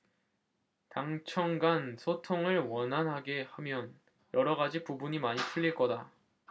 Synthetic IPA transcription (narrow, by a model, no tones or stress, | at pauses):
taŋt͡ɕʰʌŋɡansʰotʰoŋɯɭwʌnɦanɦaɡe̞hamjʌn | jʌɾʌɡad͡ʑipubuɲimaɲipʰuʎːiɭk͈ʌda